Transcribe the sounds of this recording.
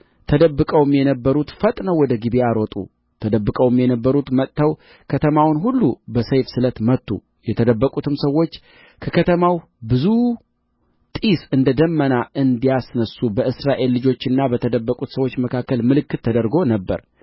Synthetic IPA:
t̪ʰəd̪əbːɨkʼəwɨmjɛnəbːəɾut̪fət̪ʼnəwɔd̪əɡibiaɾot̪ʼṵ | t̪ʰəd̪əbːɨkʼəwɨmjɛnəbːəɾut̪mət̪ʼt̪ːəw | kʰət̪ʰəmawnɦulːubəsəjfsɨlət̪mət̪ːṵ | jɛt̪ʰəd̪əbːəkʼut̪ʰɨmsəwːo̞t͡ʃː | kʰəkʰət̪ʰəmaw | bɨzu | t̪ʼisɨnd̪əd̪əmːənaʔɨnd̪ijasnəsːubəɨsɾaʔe̞lːɨd͡ʒo̞t͡ʃːɪnːabət̪ʰəd̪əbːəkʼut̪səwo̞t͡ʃːməkʰakːəlmɨlɨkːɨt̪ʰːəd̪əɾɡo̞nəbːə̰ɾ

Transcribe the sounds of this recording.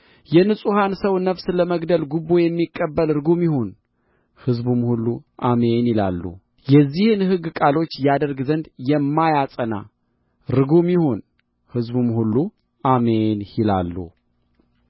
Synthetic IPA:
jɛnɨsʼuhansəwnəfsləməɡd̪əlɡubːojɛmːikʼːəbːəlɾɨɡumjɪhon | hɨzbumhulːuʔamenɪla̰lːṵ | jɛzːihɨnhɨɡːkʼalo̞t͡ʃːjad̪əɾɡzənd̪jɛmːajasʼəna̰ | ɾɨɡumjɪho̞n | hɨzbumhulːu | amenjɪla̰lːṵ

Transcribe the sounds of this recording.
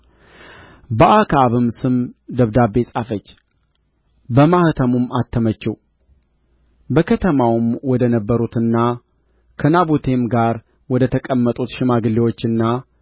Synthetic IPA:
bəʔakʰaβɨmsɨmd̪əβd̪abːe̞sʼafət͡ʃː | bəmahɨt̪ʰəmumat̪ːəmət͡ʃːɛw | bəkʰət̪ʰəmawɨmwɔd̪ənəbːəɾut̪ɨnːa | kʰənabut̪ʰe̞mɡaɾ | wɔd̪ət̪ʰəkʼəmːət̪ʼut̪ʃɪmaɡɨlːiwo̞t͡ʃːɨnːa

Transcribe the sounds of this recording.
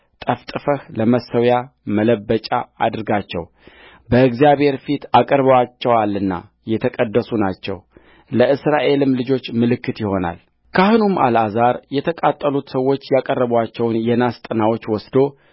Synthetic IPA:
t̪ʼəft̪ʼɨfəhləməsəwjamələbːət͡ʃʼa̰ad̪ɨɾɡat͡ʃːɛ̰w | bəɨɡzijaβhe̞ɾfit̪akʼəɾbəwat͡ʃːɛwalːɨnːa̰ | jɛt̪ʰəkʼəd̪ːəsunat͡ʃːɛ̰w | ləʔɨsɾaʔe̞lɨmːlɨd͡ʒo̞t͡ʃːmɨlɨkːɨt̪jɪho̞na̰l | kʰahɨnuma̰lazaɾjɛt̪ʰəkʼat̪ʼːəlut̪səwːo̞t͡ʃːjakʼərːəβwat͡ʃːɛwnjɛnast̪ʼɨnawo̞t͡ʃːwɔsd̪o̞

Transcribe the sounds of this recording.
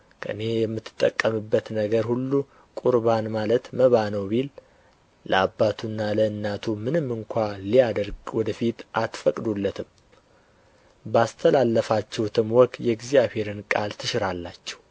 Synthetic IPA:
kʰəʔɨne̞jɛmːɨt̪ʰːɨ̥t̪ʼːəkʼːəmɨbːət̪nəɡəɾhulːu | kʼuɾβanmalət̪məβanəwbil | lə̰abːat̪ʰunːaləɨnːat̪ʰumɨnɨmːɨŋkʷʰalijad̪əɾɡwɔd̪əfit̪ʔat̪fəkʼd̪ulːət̪ʰɨm | bast̪ʰəlalːəfat͡ʃːɛwt̪ʰɨmwɔkʼjɛɡzjaβhe̞ɾɨnkʼalt̪ʰɨʃɪɾalːat͡ʃːɛ̥w

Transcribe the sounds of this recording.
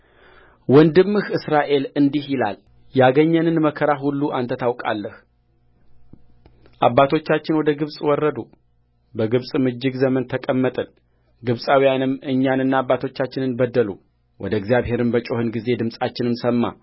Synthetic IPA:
wɔnd̪ɨmːɨhɨsɾaʔe̞lɨnd̪ihjɪla̰l | jaɡəɲːənɨnməkʰəɾaɦulːuʔant̪ʰət̪ʰawkʼa̰lːəh | ʔabːat̪ʰo̞t͡ʃːat͡ʃːɪnwɔd̪əɡɨβsʼwɔrːəd̪u | bəɡɨβsʼmɨd͡ʒːɪɡzəmənt̪ʰəkʼəmːət̪ʼɨl | ɡɨβsʼawijanɨmːɨɲːanɨnːaːbːat̪ʰo̞t͡ʃːat͡ʃːɪnɨnbəd̪ːəlṵ | wʔɔ̰d̪əɡzjaβhe̞ɾɨnbət͡ʃʼo̞hɨnɡize̞d̪ɨmsʼat͡ʃːɪnɨmsəmːa̰

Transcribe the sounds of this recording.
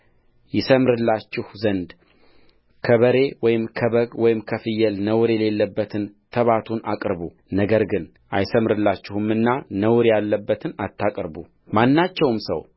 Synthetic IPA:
jɪsəmɾɨlːat͡ʃːɪhzənd̪ | kʰəβəɾe̞wɔjɪmkʰəβəɡwɔjɪmkʰəfɨjːɛlnəwɾjɛle̞lːəbːət̪ʰɨnt̪ʰəβat̪ʰunakʼɾβu | nəɡəɾɡɨn | ʔajsəmɾɨlːat͡ʃːɪhɨmɨnːanəwɾjalːəbːət̪ʰɨnat̪ʰːakʼɾbṵ | manːat͡ʃːɛwmsə̰w

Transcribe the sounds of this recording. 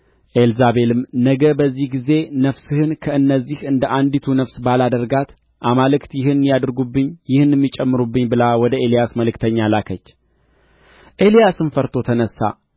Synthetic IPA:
ʔe̞lzaβe̞lɨmnəɡəbəzːihɡize̞nəfsɨhɨnkʰəɨnːəzːihɨnd̪əʔand̪it̪ʰunəfsbalad̪əɾɡat̪ | ʔamalɨkt̪jɪɦɨnjad̪ɨɾɡubːɨɲːjɪhɨnːɛmːit͡ʃʼːɛmːɨɾubːɨɲːbɨlawɔd̪əe̞lijasməlɨkt̪ʰəɲːalakʰət͡ʃː | ʔe̞lijasɨnfəɾt̪ʰo̞t̪ʰənəsːa̰

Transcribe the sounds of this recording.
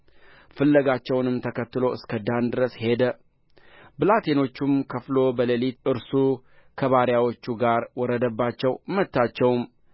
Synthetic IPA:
fɨlːəɡat͡ʃːɛwnɨmt̪ʰəkʰət̪ːɨlo̞ɨskʰəd̪and̪ɨɾəshe̞d̪ə | bɨlat̪ʰeno̞t͡ʃːumkʰəflo̞bələlit̪ɨɾsukʰəβaɾjawo̞t͡ʃːuɡaɾwɔɾəd̪əbːat͡ʃːɛwmət̪ːat͡ʃːɛwm

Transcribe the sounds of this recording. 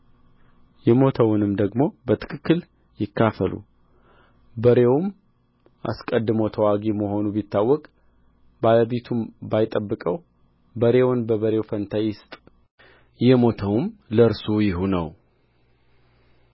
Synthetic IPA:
jɛmo̞t̪ʰəwʊnɨmd̪əɡmo̞bət̪ʰɨ̥kʰɨkːɨl | jɪkʰːafəlṵ | bəɾe̞wm | ʔa̰skʼəd̪ːɨmot̪ʰəwaɡeməho̞nubit̪ʰːawːɔkʼ | baləβet̪ʰumbajt̪ʼəbːɨkʼəw | bəɾe̞wʊnbəβəɾe̞wfənt̪ʰajːɪst̪ʼ | jɛmo̞t̪ʰəwmləɨɾsujɪɦunə̰w

